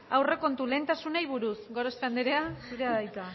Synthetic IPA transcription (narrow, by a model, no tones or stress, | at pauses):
awre̞ko̞nt̪ule̞nt̪asunejβ̞uɾusɡo̞ɾost̪eand̪eɾeasuɾe̞aðajt̪a